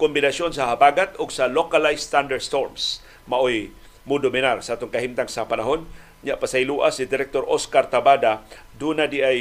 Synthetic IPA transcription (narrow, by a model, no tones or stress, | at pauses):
kʊmbɪnasjonsahabaɡat̪ʊɡsalokalajst̪and̪aɾst̪oɾms | maʔoj | mʊd̪ʊmɪnaɾsaʔat̪oŋkaɦimt̪aŋsapanaɦon | ɲaʔpasajluʔasɪd̪ɪɾɛk̚t̪oɾʔoskaɾt̪abad̪a | d̪unad̪iʔaj